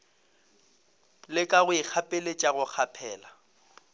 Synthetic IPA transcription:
lɪkʼaɣʊɪk͡xʰapʼelet͡ʃʼaɣʊk͡xʰapʰɛːla

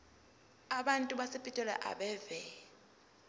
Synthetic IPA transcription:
aɓantʼuɓasepʼitʼɔlɛ̰ʔa̰ɓɛːvɛ

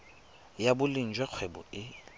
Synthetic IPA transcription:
jabʊlin̩d͡ʒwɛk͡xʰwɛbɔ̰ɪ

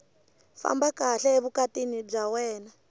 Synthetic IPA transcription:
fa̰mbakaɬɛeβukatinib͡ʐawɛːna

